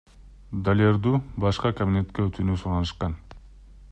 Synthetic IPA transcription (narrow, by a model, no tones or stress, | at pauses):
d̪alʲerd̪ubɑʃqɑkɐbʲine̞t̪keøt̪ʰynysuɾɑnɯʃqɑn